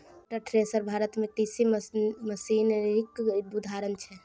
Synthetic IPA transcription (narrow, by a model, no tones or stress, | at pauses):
ʈəʈʰɾesəɾbʱaɾət̪mekisiməsinɾikbud̪ʱaɾənt͡ʃʰɛ